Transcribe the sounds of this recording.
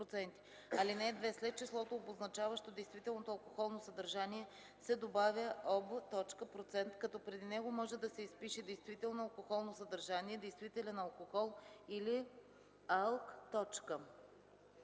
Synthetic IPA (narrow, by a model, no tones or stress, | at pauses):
ɾot̪sɛnt̪i̥ | ɐlinɛd̪vɛslɛt̪̚t͡ʃislˠɔt̪oːboznɐt͡ʃavəʃt̪od̪ɛjst̪vit̪ɛlˠnot̪oɐlˠkoxɔlˠnosɐd̪ɐɾʒaniɛ | sɛd̪obavʲjəʔɔbət̪ɔt͡ʃkəpɾot̪sɛnt̪kɐt̪ɔpɾɛd̪inɛɡomɔʒɛd̪ɐsɛispiʃɛd̪ɛjst̪vit̪ɛlˠnoɐlˠkoxɔlˠnosɐd̪ɐɾʒaniɛd̪ɛjst̪vit̪ɛlɛnɐlˠkoxɔlˠili | alˠkt̪ɔt͡ʃkə